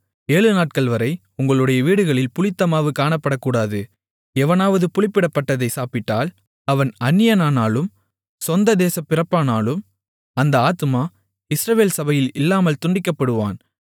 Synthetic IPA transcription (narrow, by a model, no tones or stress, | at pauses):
eːɭɯnaːʈ̚kɐɭʋɐɾɐɪ | ʊŋɡɐɭɯɽɐjɐʋiːɽɯɣɐɭɪlpʊɭɪt̪ːɐmaːʋɯkːaːɳɐpːɐɽɐkːuːɽaːðɯ | ɛʋɐnaːʋɐðɯpʊɭɪpːɪɽɐpːɐʈːɐðɐɪsaːpɪʈːaːl | ɐʋɐnɐnːɪjɐnaːnaːlɯm | sɔnd̪ɐd̪eːsɐpːɪrɐpːaːnaːlɯm | ɐnd̪ɐaːt̪ɯmaː | ɪsɾɐʋeːlsɐbɐjɪlɪlːaːmɐlt̪ʊɳɖɪkːɐpːɐɽɯʋa̰ːn